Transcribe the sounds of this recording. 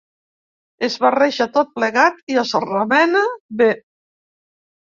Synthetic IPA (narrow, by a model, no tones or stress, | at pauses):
ezβareʃat̪ot̪̚pleɣat̪iasəramɛnabe